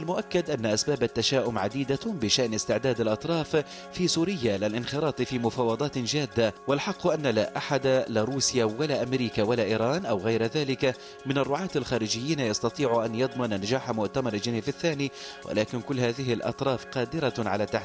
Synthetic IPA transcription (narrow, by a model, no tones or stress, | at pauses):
ʔalmʊʔakːad̪ʔanːaʔasbaːbat̪ːaʃaːʔʊmʕad̪iːd̪abɪʃaʔnɪst̪ɪʕd̪aːd̪alʔɑt̪ˤɾˤɑːf | fiːsuːɾɪjːalɪlʔɪnxɪɾˤɑːt̪ˤfiːmʊfɑːwɑd̪ˤɑːt̪d͡ʒaːd̪ːawalħɑqːʔanːalaʔaħad̪alaɾˤuːsjawalaʔamɾiːkawalaʔiːɾˤɑːnʔawɣajɾðaːlɪka | mɪnarˤːʊʕɑːt̪alxaːɾɪd͡ʒɪjːiːnajɑst̪ɑt̪ˤiːʕuʔanjɑd̪ˤmɑnnad͡ʒaːħamʊʔt̪amɑɾˤld͡ʒaniːfaθːaːniːwʔa̰laːkɪnkʊlːhaːðɪɦɪlʔɑ̰t̪ˤɾˤɑːfqɑːd̪ɪɾaʕalaːt̪ːaħ